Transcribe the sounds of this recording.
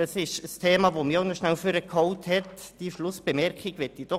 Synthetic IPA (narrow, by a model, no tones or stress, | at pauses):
ɑsɪʃəstʰeːmɑvomiːaʊnɔʃnælføɾəkʰhɔwthɛtd̥iʃlʊsb̥emɛɾkiɡʋɛtːid̥ɔ